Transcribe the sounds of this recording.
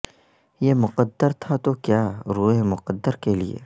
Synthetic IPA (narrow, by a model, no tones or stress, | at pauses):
jeːmʊqəd̪ːəɾt̪ʰat̪okjaːɾuːɦemʊqəd̪ːəɾkelḭḛː